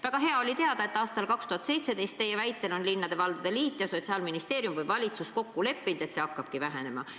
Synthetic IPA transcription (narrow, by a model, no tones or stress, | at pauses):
væɡ̥ɑɦe̞ɑo̞lʲit̪eɑd̪ɑe̞t̪ːˑɑːst̪ɑlkɑkst̪uhɑt̪se̞jt̪se̞d̪e̞jst̪ːe̞jevæjt̪ːˑe̞lo̞nlinːɑd̪e̞vɑld̪̥ɑd̪̥eliːt̪ːˑjɑso̞t̪siɑːlminist̪e̞ːɾjumvɯjvɑlʲit̪susko̞kːule̞pːind̪̥et̪se̞ɑkːɑb̥kivæɦe̞ne̞mɑ̰